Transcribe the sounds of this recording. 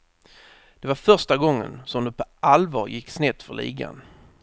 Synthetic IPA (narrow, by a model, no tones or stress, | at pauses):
d̪̥ɛvaɾfœʂʈaɡɔŋːə̰nsɔmd̪ɛpʰɔʔalvɑːɾjɪkːsnɛt̪fœɭḭːɡa̰n